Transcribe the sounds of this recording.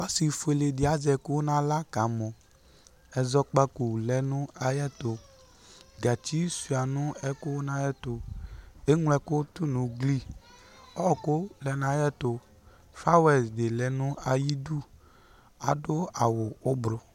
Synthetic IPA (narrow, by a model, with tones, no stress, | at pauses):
ɔ˦si˨fe˨le˨dɪ˨a˨˦zɛ˨kʊ˦nã˦la˦ka˨˦mɔ˨ | ɛ˨zɔ˧k͡pa˦ku˨lɛ˨nʊ˦a˨jɛ˦tʊ˨ | ɡa˨t͡ʃi˦su˨a˨nʊ˦ɛ˦kʊ˦na˦jɛ˦tʊ˨e˦ŋ˦lɛ˦kʊ˦tʊ˦nʊ˨ɡli˦ | ɔ˦˨kʊ˦lɛ˨˦n˨a˨jɛ˦tʊ˨ | fa˦wɛ˨sde˨lɛ˨nʊ˦a˨ji˦du˦˨ | a̰˨dʊ˦a˨wʊ˨ʊ˦bɾʊ˨